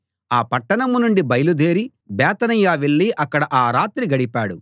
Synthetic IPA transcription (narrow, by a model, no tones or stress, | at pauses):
aːpɐʈːɐɳɐmunuɳɖibɐjɐlud̪eːɾi | bɛːt̪ɐnɐjaːʋeɭːiʔɐkːɐɽɐʔaːɾaːt̪ɾiɡɐɽipaːɽu